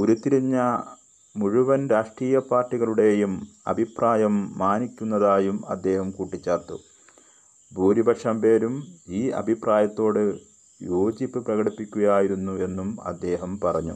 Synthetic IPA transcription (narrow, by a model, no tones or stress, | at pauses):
oɾut̪ːiɾɐɲːɐ | muɻuʋɐnɾaːʂʈriːjɐpaːrʈːiɣɐɭuɽe̞jumɐ̰bʱipraːjɐmːaːnikʲːunːɐðaːjumɐ̰d̪ːe̞ːhɐmkuːʈːit͡ɕːaːrt̪ːṵ | bʱuːɾibɐkʂɐmpe̞ːɾumiːɐ̰bʱipraːjɐt̪ːo̞ːɽɨ | joːd͡ʑipːɨprɐɣɐɽipːikʲːuɣaːjiɾunːue̞nːumɐ̰d̪ːe̞ːɦɐmpɐrɐɲːṵ